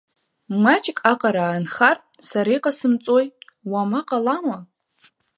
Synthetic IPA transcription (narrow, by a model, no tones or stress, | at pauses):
mat͡ʃʼkʼaqʼaɾaːnχar | saɾajqʼasɨmt͡sʼoj | wamaqʼalama